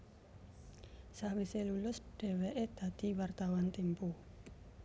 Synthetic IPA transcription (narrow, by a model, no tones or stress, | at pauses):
sahwiselulʊsɖ̥e̤weʔed̪̥ä̤d̪̥i̤wart̪awant̪impu